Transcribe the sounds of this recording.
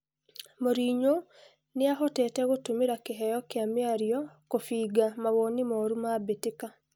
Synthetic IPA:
moɾiːɲo | neaɦɔtɛtɛɣotumiɾakeɦɛjɔkjamjaɾjɔkofiːɡamaβonimɔɾumabetika

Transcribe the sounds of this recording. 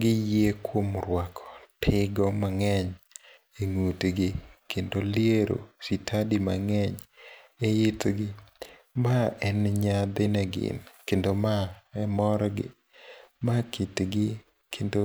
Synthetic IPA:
ɡɪjekwomɾwakʰɔ̥tʰɪɡɔmaŋɛɲ | eŋutɡɪkendoljeɾo̰sitʰadimaŋɛɲɛjɪtɡɪ | maɛnɲad̪ɪnɛɡɪ̰nkendomaɛmɔɾɔɡɪ̰ | makʰitɡɪ | kʰendo

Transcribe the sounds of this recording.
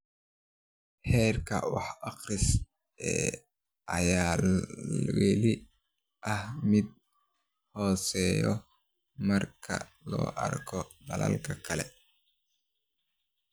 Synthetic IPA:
hɛːrkʰɐwɑ̰ħɑχrɪs | ɛ̰ː | ʔɐjaː | wɛlɪ | ʔɐhmɪd̪̚ | hɔːsɛːjɔ | mɐrkʰɐ̰lɔ̰ːʔɐ̰rkʰɔd̪ɐlɐ̰lkʰɐkʰɐlɛ

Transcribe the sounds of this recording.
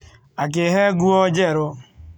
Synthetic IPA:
ak̬ɪɦeɡuɔd͡ʒeɾʊ

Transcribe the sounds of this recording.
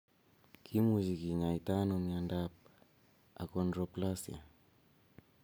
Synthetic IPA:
kʰimuzikiɲaitanomiandap̚ | a̰konɾoplasia̰

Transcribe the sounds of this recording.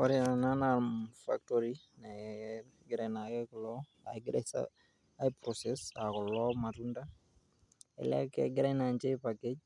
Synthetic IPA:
ɔɾiananafa̰ktɔɾi | na | ɡɪɾajnakɛkɔlɔ | a̰ɡɪɾɛsa̰ | aipɾɔsɛsakɔlɔmatunda | ɛ̰la̰kɛ̰ɡɪɾanaɲd͡ʒepaked͡ʒ

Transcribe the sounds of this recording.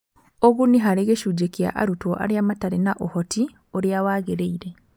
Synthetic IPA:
oɣuniɦaɾeɣeʃud͡ʒekja̰ʔa̰ɾutoʔa̰ɾjamataɾenaʔohɔti | oɾjawaːɣeɾeiɾe

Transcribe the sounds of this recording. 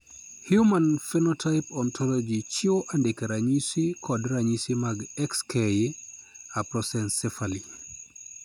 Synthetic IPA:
hjumanfenɔtʰaɪpɔntʰɔlɔd͡ʒit͡ʃioʔandekeɾaɲisikʰɔdɾaɲisimaɡɛkskeje | apɾɔsɛnsɛfali

